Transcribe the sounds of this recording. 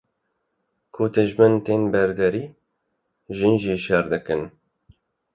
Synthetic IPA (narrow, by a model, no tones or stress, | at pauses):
kʰoːt̪ɨʒmɛnt̪eːnbɛɾd̪ɛɾiː | ʒɨnʒiːʃɛɾd̪ɨkɨn